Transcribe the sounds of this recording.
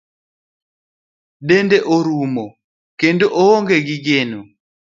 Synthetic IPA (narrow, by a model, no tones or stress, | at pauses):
ɗɛndɛʔoɾumɔ | kendoʔɔɔŋɡɛɡiɡenu